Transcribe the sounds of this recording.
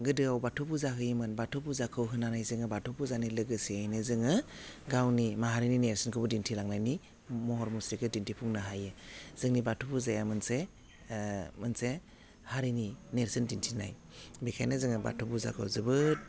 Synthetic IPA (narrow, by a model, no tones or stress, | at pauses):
ɡɯdɯawbatʰupuzaɦɯjimɯnbatʰupuzakʰɯwɦɯnanajzɯŋɯbatʰupuzanilɯɡɯsiajnɯzɯŋɯɡawnimaɦaɾinineɾsɯnkʰɯbɯdintʰilaŋnajni | mɔɦɔɾmusɾikʰɯdintʰipʰuŋnɯɦajɯz̥ɯŋnibatʰupuzajamɯnse | mɯnse | haɾinineɾsindintʰina̰j | bekʰajnɯzɯŋɯba̰tʰupuza̰kʰɯ̰wzɯbɯ